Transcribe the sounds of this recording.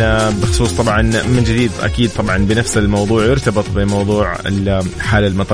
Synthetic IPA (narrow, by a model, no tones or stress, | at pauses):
bɪxʊ̥sˤuːsˤt̪ˤɑbʕɑnmɪnd͡ʒɪd̪iːd̪ʔa̰kiːd̪̚t̪ˤɑbʕɑnbɪnafsalmɑwðˤuːʕjʊɾt̪abɨt̪ˤbɪmɑwðˤuːʕɪ̰lħaːlalmɑt̪ˤ